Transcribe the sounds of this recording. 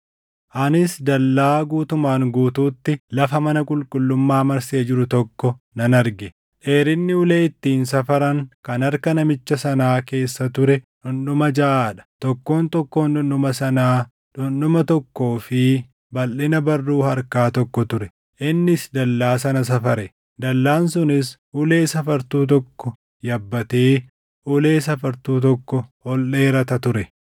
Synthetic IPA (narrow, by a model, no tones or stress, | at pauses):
ʔɐnɪsd̪ɐlːaːɡuːt̪ʊmaːŋɡuːt̪uːt̪ːɪlɐfɐmɐnɐkʼʊlkʼʊlːʊmːaːmɐɾseːd͡ʒɪɾʊt̪ɔkːɔ | nɐnɐɾɡɛ | ᶑe̞ːɾɪnːɪʊle̞ːɪt̪ːiːnsɐfɐɾɐŋkɐnɐɾkɐnɐmɪt͡ʃːɐsɐnaːke̞ːsːɐt̪ʊɾɛᶑʊnɗʊmɐd͡ʒɐʔaːᶑɐ̥t̪ɔkːo̞ːnt̪ɔkːo̞ːnʊnːʊmɐsɐnaː | ᶑʊnɗʊmɐt̪ɔkːo̞ːfɪ | bɐlːɪnɐbɐrːuːhɐɾkaːt̪ɔkːɔt̪ʊɾɛ | ʔɪnːɪsd̪ɐlːaːsɐnɐs̬ɐfɐɾɛ | d̪ɐlːaːnsʊnɪs | ʊle̞ːsɐfɐɾt̪uːt̪̬ɔkːɔ | jɐbːɐt̪e̞ː | ʔʊle̞ːsɐfɐɾt̪uːt̪̬ɔkːɔhɔlːe̞ːɾɐt̪ɐt̪ʊɾɛ